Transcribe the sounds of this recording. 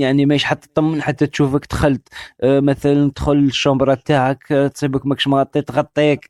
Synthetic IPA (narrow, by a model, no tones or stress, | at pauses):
jaʕnimæʃħat̪ˤːɑ̥t̪ˤːɑmːənħat̪ːæt̪ʃufəkt̪xælt̪mæt̪ælənt̪xʊləʃːɑbɾˤɑb̚t̪aʕəkt̪sˤibəkmækʃmɣɑt̪ˤːit̪ɣɑt̪ˤːiæk